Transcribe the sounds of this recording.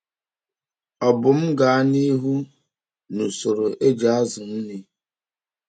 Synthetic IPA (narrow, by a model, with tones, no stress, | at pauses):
ɔ˨bʊ˨m̩˦ɡa˨a˦ni˦ɦu˦ | nu˨so˨ɾo˨ʔe˦d͡ʒa˨a˦zʊ˨n̩˦ni˦